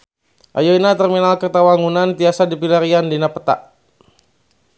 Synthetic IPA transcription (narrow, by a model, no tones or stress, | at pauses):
ʔa̰joinat̪ərminalkərt̪awaŋunant̪iasadipilaɾiandinapə̥t̪a̰ʔ